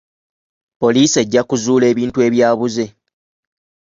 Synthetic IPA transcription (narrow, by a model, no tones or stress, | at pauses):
po̞liːse̞ɟːakuzuːle̞ːβiːntue̞βjaːβuze̞